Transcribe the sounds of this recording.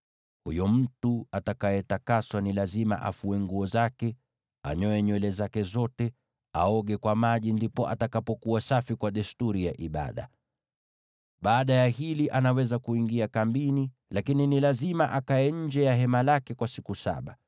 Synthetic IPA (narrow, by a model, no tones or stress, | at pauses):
hṵjɔm̩tuatakajɛtakaswanilazima̰ʔa̰fuɛŋɡuɔzakɛ | a̰ɲɔɛɲwɛlɛzakɛzɔtɛ | a̰ɔɠɛkwamaʄindipɔʔa̰takapɔkuasafikwaɗɛstuɾijaʔiɓa̰ɗa̰ | ɓaːɗajahiliʔanawɛzakuiŋɡiakambini | lakininilazimaʔakaɛɲ̩d͡ʒɛjaɦɛmalakɛkwasikusa̰ɓa